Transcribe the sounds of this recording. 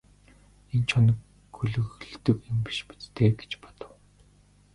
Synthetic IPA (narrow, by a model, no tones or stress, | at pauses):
ent͡ɕʰɔnɞ̆k | ɵɮɵ̆ɣɮt̪ɵ̆kempi̥ʃpi̥t͡s̪t̪ʰeːɡe̥t͡ɕpɔ̥t̪ə̆w